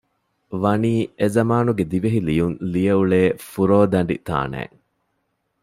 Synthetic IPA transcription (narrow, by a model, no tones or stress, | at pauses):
ʋɐniːezɐmaːnuɡed̪iʋeɦilijunlijɐuɭeːfuɾoːd̪ɐɳɖḭt̪a̰ːnæ̰ːŋ